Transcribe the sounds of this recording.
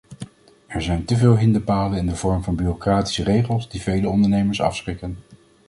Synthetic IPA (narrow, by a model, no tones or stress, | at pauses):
ɛɹzɛjntəvɪːlˠɦɪndəpaːlənɪndəvɔɹmvɑnbyrokraːti̥sərejχəlˠzdivejləɔndəɹnejməɹsɑ̰fsχɪkən